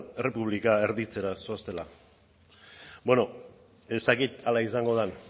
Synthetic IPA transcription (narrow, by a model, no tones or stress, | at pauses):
ere̞puβ̞likaeɾðit͡se̞ɾasoast̪e̞la | bweno̞ | e̞st̪akit̪alaisaŋɡo̞ð̞en